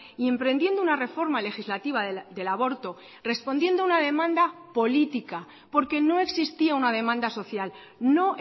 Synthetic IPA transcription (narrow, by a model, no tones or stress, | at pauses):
ie̞mpɾe̞nd̪je̞nd̪ounare̞fo̞ɾmale̞xizlat̪iβ̞ad̪e̞laβo̞ɾt̪o̞ | re̞spo̞nd̪je̞nd̪ounað̞e̞mãnd̪apo̞lit̪ika | po̞ɾke̞no̞e̞ksist̪iaunað̞e̞mãnd̪aso̞θjal | no̞